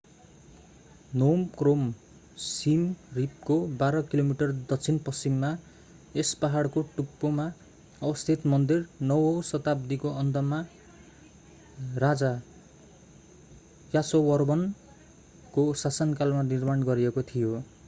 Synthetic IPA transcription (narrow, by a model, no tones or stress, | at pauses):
nomkrom | simrip̚kobaɾʌkilomiʈʌrd̪ʌk̚t͡sʰinpʌst͡ʃimːa | espaɦaɽkoʈupːoma | ʌwʌst̪ʰit̪mʌnd̪irnʌwʌsʌt̪ab̚d̪ikoʌnd̪ʌma | rad͡za | jasowʌrbʌn | kosasʌnkalmanirmaɳɡʌɾiekot̪ʰijo